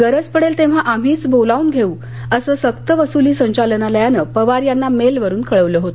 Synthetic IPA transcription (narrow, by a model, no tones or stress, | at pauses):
ɡəɾəd͡zpəɽelt̪eʋ̤aʔam̤iːt͡sbolauːnɡʱeuː | əsəːsəkt̪əʋəsuliːsəɲt͡ɕalənaləjanəpəʋaɾjanːamelʋəɾuːnkəɭəʋləɦot̪o